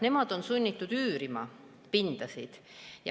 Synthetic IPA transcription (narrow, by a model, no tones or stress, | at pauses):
ne̞mɑd̪̥o̞nsunʲːit̪ːˑud̪̥yːɾimɑ | pind̪̥ɑsid̪̥ | jɑ̰